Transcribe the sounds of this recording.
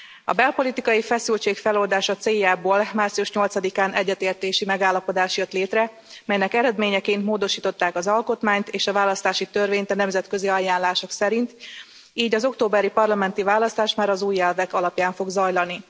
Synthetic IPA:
ɒ̰bɛlpo̞lit̪ikɒjifɛsylt͡ʃeːkfɛlo̞ld̪aːʃɒt̪seːjːaːboːlmaːrtsiuʃɲo̞lt̪sɒd̪ikaːnʔɛɟːɛt̪eːrt̪eːʃimɛɡaːlːɒpo̞d̪aːʃjøt̪leːt̪rɛ | mɛjnɛkɛɾɛd̪meːɲɛkeːnt̪moːd̪o̞ʃiːt̪o̞t̪ːaːkɒzɒlko̞t̪maːɲt̪eːʃɒvaːlɒst̪aːʃit̪ørveːɲt̪ɒnɛmzɛt̪kø̞ziɒjaːnlaːʃo̞ksɛɾint̪ | iːɟɒzo̞kt̪oːbɛɾipɒrlɒmɛn̪t̪ivaːlɒst̪aːʃmaːɾɒzuːjɛlvɛkɒlɒpjaːɱfo̞ɡzɒjlɒni

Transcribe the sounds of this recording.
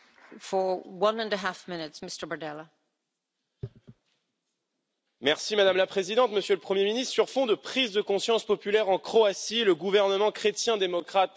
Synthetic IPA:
fə˞wʌ̃nə̃ndəɦafmɪ̃nɪtsmɪstə˞bə˞dɛlˠə | mɛʁsimad̪amlapχezid̪ɑ̃t̪məsjøləpχəmjeminist̪χsyʁfɔ̃d̪əpχizd̪əkɔ̃sjɑ̃spɔpylɛʁɑ̃kχɔasiləɡuvɛʁnəmɑ̃kχet̪jɛ̃d̪emɔkχat̪

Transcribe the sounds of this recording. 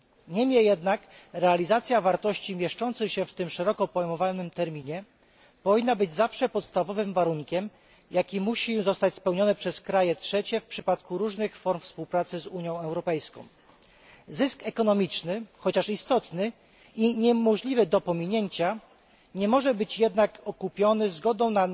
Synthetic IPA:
ɲɛmʲjɛjɛd̪nakɾɛalʲizat̪sʲjavaɾt̪ɔɕt͡ɕimʲjɛʂt͡ʂɔnt̪sɘxɕɛft̪ɘmʂɛɾɔkɔpɔjmɔvanɘmt̪ɛɾmʲiɲɛ | pɔvʲinːabɘd͡ʑzafʂɛpɔt̪st̪avɔvɘmvaɾuŋkʲɛm | jakʲimuɕizɔst̪at͡ɕspɛwɲɔnɛpʂɛskɾajɛtʂɛt͡ɕɛfpʂɘpat̪kuɾuʐnɘxfɔɾmfspuwpɾat̪sɘzuɲjɔ̃w̃ɛwɾɔpɛjskɔ̰̃w̃ | zɘskɛkɔnɔmʲit͡ʂnɘxɔt͡ɕaʂist̪ɔt̪nɘ | iɲɛmɔʐlʲivɘd̪ɔpɔmʲiɲeɲt͡ɕa | ɲɛmɔʐɛbɘt͡ɕjɛd̪nakɔkupʲjɔnɘzɡɔd̪ɔ̃w̃na

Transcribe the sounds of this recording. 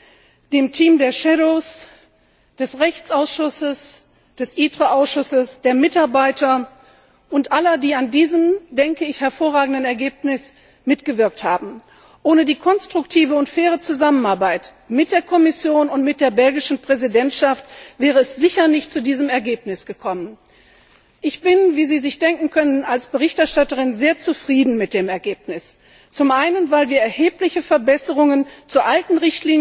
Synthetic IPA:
d̥eːmtʰiːmdeːɐʃɛɾos | d̥ɛsʁɛçt͡sʔaʊsʃʊsəs | d̥ɛsʔiːtʁ̥əʔaʊsʃʊsəsd̥eːɐmɪtaɐbaɪtʰɐ | ʔʊntʔalɐdiːandiːzəmdɛŋkəɪçhɛɐfoːʁaːɡŋ̩dənɛɐɡeːpnɪs | mɪtɡ̥əvɪɐk̚thaːbm̩ | ʔoːnədiːkʰɔnstʁ̥ʊktʰiːvəʊntfɛːʁət͡suzamənaɐbaɪt | mɪt̚d̥eːɐkʰɔmɪsjoːnʊntmɪt̚d̥eːɐbɛlɡɪʃn̩pʁ̥ɛzidɛntʃaftv̥ɛːʁ̞əɛsz̥ɪçɐnɪçtt͡sudiːzəmɛɐɡeːpnɪsɡ̥əkʰɔmən | ʔɪçb̥ɪnviːziːzɪçd̥ɛŋkŋ̩kʰœnənalsb̥əʁ̞ɪçtɛɐʃtatəʁɪnzeːɐt͡sufʁ̥iːdn̩mɪt̚d̥eːmɛɐɡeːp̚nɪs | t͡sʊmʔaɪnənvaɪlviːɐɛɐheːplɪçəfɛɐbɛsəʁʊŋənt͡suːɐʔaltn̩ʁɪçtliːn

